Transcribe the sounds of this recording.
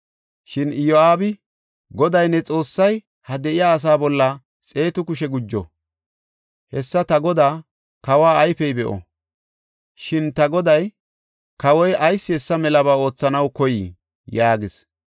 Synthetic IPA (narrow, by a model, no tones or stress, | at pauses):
ʃɪnɪjoaːbɪ | ɡɔd̪ɐjnːɛt͡sʼo̞ːsːɐj | hɐd̪ɛʔɪjaːs̬aːbɔlːɐ | t͡sʼe̞ːt̪ʊkʊʃ̬ɛɡʊd͡ʒːɔ̰ | hɛsːɐt̪ɐɡɔd̪aː | kɐwaːɐjfɛjbɛʔɔ̰ | ʃɪnt̪ɐɡɔd̪ɐj | kɐwɔjɐjsːɪɛsːɐmɛlɐβaːo̞ːt͡sːɐnɐwkɔji | jaːɡɪs